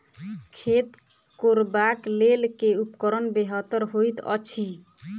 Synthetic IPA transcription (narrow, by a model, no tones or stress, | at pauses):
kʰet̪ | koɾbaklelkeupkɔɾɔnbeɦɔt̪ɔɾɦojt̪ɔ̰t͡ʃʰi